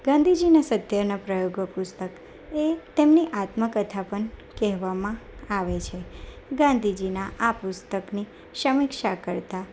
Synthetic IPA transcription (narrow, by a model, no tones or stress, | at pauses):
ɡãnd̪ʱid͡ʒinasət̪jaɾnapɾəjoɡʋəpʊst̪ək | et̪emniʔat̪məkət̪ʰapəɳkɛɦʋamãaʋet͡ʃʰe | ɡãnd̪ʱid͡ʒinaʔapʊst̪əkni | ʃəmɪkʃakəɾt̪a